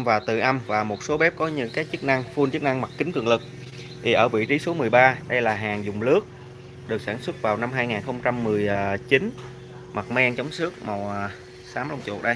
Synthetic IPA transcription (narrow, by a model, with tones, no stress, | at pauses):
vaː˨˩t̪ɨ̰˧˨ʔa˧mvaː˨˩mo˨˩t̚so˨˦ɓɛ˦˥p̚kɔ˨˦ɲɨ̰˧˥ŋkaː˨˦˥k̚t͡ɕɨ˦˥k̚na˧ŋfu˧nt͡ɕɨ˦˥k̚na˧ŋma˨˩t̚kï˨˦ŋ̟k̪ɨ̰˨˧˩əŋlɨ˨˩k̚ | t̪ʰi˨˩ʔəː˧˩vḭ˧˨t͡ɕi˨˦so˨˦mɨ˨˩əjɓaː˧ɗə˧jlaː˨˩ɦaː˨˩ŋzʊ˨˩ŋ͡mlɨ˦˥ək̚ | ɗɨ˨˩ək̚saː˧˩nswə˦˥t̚vaː˨˩wna˧mɦaː˧jŋaː˨˩nxə˧wŋ͡mt͡ɕa˧mːɨ˨˩əjt͡ɕi˨˦n | ma˨˩t̚mɛ˧ŋt͡ɕɔ˨˦wŋ͡msɨ˦˥ək̚ma˨˩wʔ | saː˨˦mla˧˩wŋ͡mt͡ɕṵ˨˩k̚ɗə˧j